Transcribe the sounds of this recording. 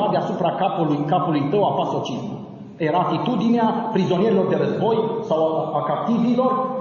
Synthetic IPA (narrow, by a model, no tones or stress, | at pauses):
ad̪easupɾakapulujkapulujt̪əwafasot͡ʃismṵ | je̞ɾaat̪it̪ud̪ineapɾizonieɾilo̞rd̪e̞ɾəzbo̞jsawakap̚t̪ivilo̞r